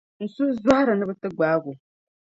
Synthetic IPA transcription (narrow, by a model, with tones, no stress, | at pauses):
n̩˨su˦za˦ha˦ɾɨ˨nɨ˦bɨ˦tɨ˦ɡ͡baː˦ɡu˨